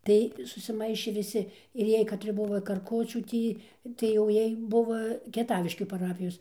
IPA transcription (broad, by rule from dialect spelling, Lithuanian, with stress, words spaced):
ˈtɐɪ sʊsʲɪˈmɐɪʃʲeː ʋʲɪˈsʲɪ ɪr ˈjiɛj kɐtʲˈrʲɪ ˈbʊʋoː kɐrˈkʊt͡ʃʲuː ˈtʲiː tɐɪ jɛʊ ˈjiɛj ˈbʊʋoː kʲiɛˈtɑːʋʲɪʃʲkʲuː pɐˈrɑːpʲɪjoːs